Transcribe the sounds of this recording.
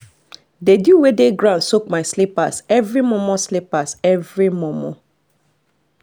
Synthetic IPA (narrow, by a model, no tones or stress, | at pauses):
dedjuwedeɡɹãʊ̃nsok̚maɪslipasɛvɹimɔmɔ̃slipasɛvɹimɔmɔ̃